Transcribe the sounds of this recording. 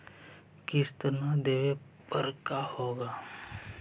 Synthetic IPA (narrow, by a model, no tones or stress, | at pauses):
kɪst̪ənad̪eːʋe | pəɾkahoːɡaː